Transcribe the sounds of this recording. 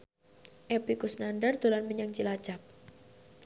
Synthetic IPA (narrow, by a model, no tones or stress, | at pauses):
ʔɛpikusnanɖard̪̥olanməɲaŋt͡ʃilḁt͡ʃap̚